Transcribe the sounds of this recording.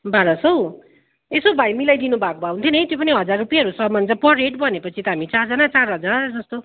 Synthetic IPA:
baɾʌsʌw | esobʱajmilajd̪inubʱakobʱaw̃unt̪ʰjonʌjt̪jopʌniɦʌd͡zarːupijaɦʌɾusʌmʌnt͡sʌ̃pʌreʈbʌnepʌt͡sʰit̪ʌɦamit͡sard͡zʌnat͡saɾɦʌd͡zard͡zʌst̪o

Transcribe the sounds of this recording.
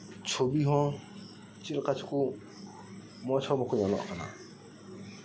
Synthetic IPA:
t͡ʃʰobiɦɔ̃ | t͡ʃilkat͡ʃku | mɔt͡ʃʰɔbɔkɔɲanɔ̰ʔkana̰

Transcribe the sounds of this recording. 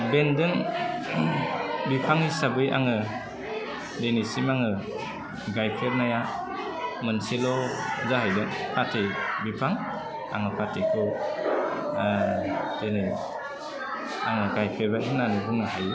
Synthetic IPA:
bendɯŋ | bipʰaŋhisabɯja̰ŋɯ | denisimaŋɯ | ɡajpʰeɾnaja | mɯnselɔzahajdɯŋpʰatʰibipʰaŋ | a̰ŋɯpʰatʰikʰɯ | d̥eni | a̰ŋɯɡajpʰeɾbajhɯnanɯbɯŋɯɦaj

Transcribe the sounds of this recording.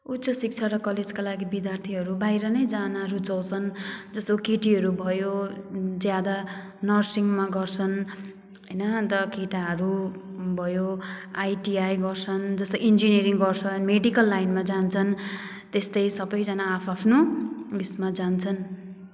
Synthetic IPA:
ut̪sʌsik̚t͡sʰaɾʌkʌled͡zkalaɡibid̪jart̪ʰiɦʌɾubajɾʌnʌjd͡zanaɾud͡zʌwt͡sʰʌnd͡zʌst̪okeʈiɦʌɾubʱʌjod͡zjad̪anʌrsiŋmaɡʌrt͡sʰʌn | ɦʌjnʌt̪ʌkeʈaɦʌɾubʱʌjoajʈiajɡʌrt͡sʰʌnd͡zʌst̪oind͡zineɾiŋɡʌrt͡sʰʌnmeɖikʌlːajnmad͡zant͡sʰʌn | t̪est̪ʌjsʌbʌjd͡zʌnaːpʰapʰnulismad͡zant͡sʰʌn

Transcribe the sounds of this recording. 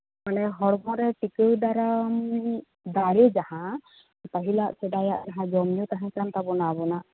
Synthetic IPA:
manɛɦɔɽmɔɾɛpikɯwdaɾam | daɾɛzahã | taɦilaʔsɛdajaʔzaɦãd͡ʒɔmnut̪aɦɛ̃kant̪abɔnabɔna

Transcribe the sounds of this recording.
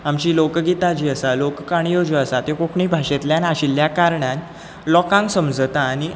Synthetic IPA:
amt͡ɕiːlokɡit̪ad͡ʑiːəsalokkaɽ̃ijod͡ʑəəsat̪jokokʰɳiːbʱaɕet̪ljanaɕiljakaɾɳan | lɔkãŋksəmd͡zət̪aːɽ̃i

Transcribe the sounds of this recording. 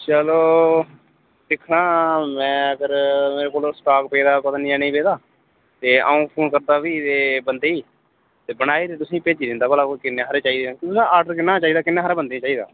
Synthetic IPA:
t͡ʃəloː | sɪkʰnãːmɛ̃ːəɡəɾmeːɾeːkoːlsʈaːkpeːd̪aːpət̪aːniãːnə̃ĩːpeːd̪aː | t̪eːə̰ːũːpʰoːnkəɾd̪aːʋiːt̪eːbənd̪eːiː | t̪eːbənaːiːd̪et̪ʊsĩːpeːd͡ʒiːd̪ɪ̃nd̪aːbəlaːkɪnːeːɦəɾeːt͡ʃaːiːd̪eːãktt̪ʊsãːʔaːɾɖəɾkɪnːaːt͡ʃaːiːd̪aːkɪnːaːɦəɾaːbənd̪eːt͡ʃaːiːd̪a̰ː

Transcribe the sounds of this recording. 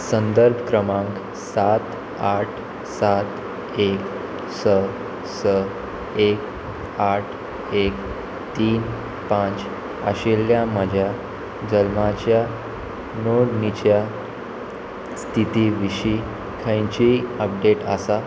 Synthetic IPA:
sənd̪əɾbʱəkɾəmãŋk | sat̪ | aʈʰ | sat̪ | ek | sə | sə | ek | aʈʰ | ek | t̪iːn | pãt͡s | aɕeljaməd͡ʑʱja | d͡ʑəlmat͡ɕja | noɽnit͡ɕja | st̪ʰit̪iːʋiɕi | kʰə̃jt͡ɕiəp̚ɖeʈa̰sa

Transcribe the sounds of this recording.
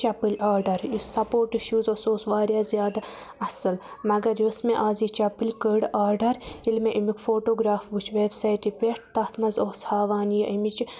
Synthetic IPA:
t͡ʃɐpɨlʲaːɾɖɐɾjusɐpoːɾʈiʃjuːzosoːsʋaːɾjaːzijaːd̪ | ɐsɨlmɐɡɐɾjosmeʔaːziːt͡ʃɐpɨlʲkəːɖaːɾɖɐɾilmeʔimikfoːʈoːɡɾaːfbut͡ʃʰʋeːbsɐjʈipʲeʈʰt̪ɐt̪ʰmɐzoːshaːʋaːnjɐʔimit͡ʃ

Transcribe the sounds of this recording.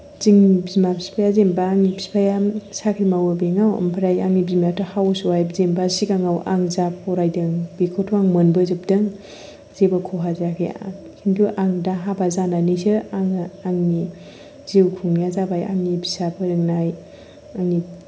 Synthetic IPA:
ziŋbizmapʰispʰajazembaːŋnibʰi̥spʰajasakʰɾimawɯbeŋawə̰mpʰaɾajaŋnibimjatɯhawsuwajbzembasikaŋawʔa̰ŋzap̚ɔɾajdɯŋbikʰotʰuaŋmɯnbɯzɯp̚dɯŋ | zebakʰɔɦazakʰḭa̰ | kʰintʰuʔaŋdaɦabazananisɯaŋaŋni | zewkʰuŋjazabaja̰ŋnibisabʰɯɾɯŋnaj | aŋi

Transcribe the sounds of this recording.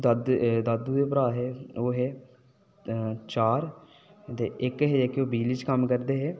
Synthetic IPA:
d̪əd̪d̪əd̪uːeːpəɾaːɦɛːoːɦeː | t͡ʃaːɾ | t̪eːɪkɦeːekoːbiːlit͡ʃkəmkəɾd̪eːɦeː

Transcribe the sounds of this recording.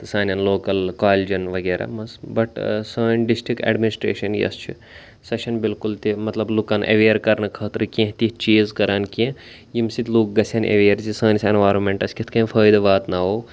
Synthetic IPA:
t̪ɨsaːnʲɐnloːkɐlkaːlʲd͡ʒɐnʋɐɡeːɾa̰ːmɐsbɐʈsaːjnɖisʈikḛːɖminisʈɾḛːʃɐnjɐ̰st͡ʃʰi | sɐʃɐnbilkult̪imɐt̪lɐblukɐnʔɐ̰ʋeːɾkɐɾnɐkʰɐːt̪ɾɨkʲẽɦt̪iht͡ʃiːzkɐɾaːnkẽ | jimsit̪ʲluːk̚ɡɐsʲɐːnʔɐ̰ʋeːɾzisaːnʲisenʋaːɾonmeɳʈɐsʲkʲit̪ʰkɐ̃ːmfʰɐːjd̪ɐʋaːt̪nɐɦoː

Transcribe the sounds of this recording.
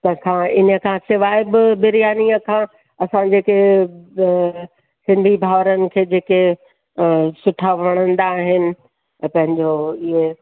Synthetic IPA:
t̪ɐkʰãɪnə̆kʰãːsɪʋaːɪbɪbɪɾijaːniəkʰãː | ɐsãd͡ʑeːke | sɪ̃nd̪ʱibʱaːʋɾənɪ̆kʰeːd͡ʑeːke | sʊʈʰaʋɐɽ̃ə̃nd̪aːɦɪnɪ̆ | pɐ̃ɦɪ̃ɲd͡ʑoɪɦe

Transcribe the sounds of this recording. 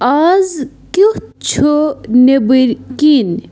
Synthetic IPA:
aːz | kut͡ɕʰonebiɾkin

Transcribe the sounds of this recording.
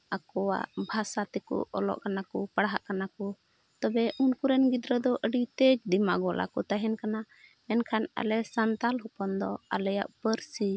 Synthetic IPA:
akɔwa̰ʔbʱasat̪ɛkṵɔ̰lɔ̰ʔkanakupaɽɦa̰ʔkanakɔ | t̪ɔbɛʔunkuɾɛnɡid̪ɾəd̪ɔʔəɖit̪ɛd͡ʒd̪ima̰ɡɔlʔa̰kɔt̪aɦɛnkana | mɛnkʰana̰lɛsant̪alɦɔpɔnd̪ɔa̰lɛja̰ʔpəɾsi

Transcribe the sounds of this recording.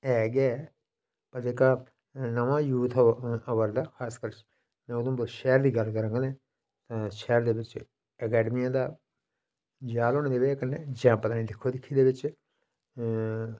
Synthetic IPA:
ɛːɡɛː | pəɾd͡ʒeːkaː | nəʋãːjuːt̪ʰəʋəɾd̪aːxʰaːskəɾt͡ʃ | mɛ̃ːod̪õːbəʃɛːɾd̪iːɡəlkəɾə̃ŋɡnẽː | t̪ãːʃɛːɾd̪eːʋɪt͡ʃ | ɛkɛːɖəmijãːd̪aː | d͡ʒaːloːneːd̪eːʋekənːed͡ʒɛ̃ːpət̪aːnĩːd̪ɪkʰːoːd̪ɪkʰːiːd̪eːʋɪt͡ʃ

